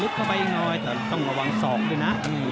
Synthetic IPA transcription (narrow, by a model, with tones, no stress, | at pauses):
lu˦˥t̪̚ʰa˧wpa˧jŋɔː˧jt̪ɛː˨˩˦t̪ɔ˥˩ŋɾa˧wa˧ŋsɔː˨˩˦k̚luː˧˩jna˦˥˧